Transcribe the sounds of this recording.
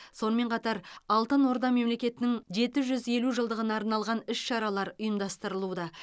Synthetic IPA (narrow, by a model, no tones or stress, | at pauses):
so̞nəme̞ɴqʰɑt̪ɑɾɑlˠt̪ənwoɾd̪ɑme̞mle̞kʲe̞t̪ɪnɪŋʒe̞t̪ɪʒʏze̞luʒəlˠd̪əʁənɑːɾnɑlˠʁɑnɪʃʃɑɾɑlˠɑɾʊjəmd̪ɑst̪əɾəlˠud̪ɑ